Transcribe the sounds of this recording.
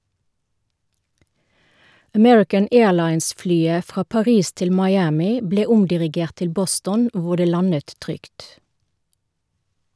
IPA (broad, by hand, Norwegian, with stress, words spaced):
əˈmɛɹɪkən ˈeːɭɑɪnsˌflyːə ˈfʁɑː pɑˈʁiːs ˈtɪl mɑɪˈæːmɪ ˈbleː ˈʊmdɪʁɪˌɡeːʁt ˈtɪl ˈbɔstɔn ˈʋʊ ˈdeː ˈlɑnət ˈtʁʏkt